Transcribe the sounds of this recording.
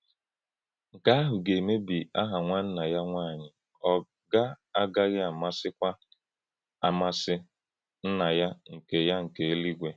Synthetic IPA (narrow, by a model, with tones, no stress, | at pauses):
ŋ̩˨ka˦a˦ɦʊ˨ɡe˨me˦bi˨a˦ɦa˨ŋʷa˦n̩˦na˨ja˦ŋʷaː˦˨ɲɪ˨ | ɔ˦ | ɡa˦ | a˦ɡa˦ɣɪ˦a˨ma˦sɪ˦kʷa˦ | a˨ma˦sɪ˦ | n̩˦na˨ja˦ŋ̩˨ke˨ja˦ŋ̩˨ke˨e˦li˦ɡʷe˨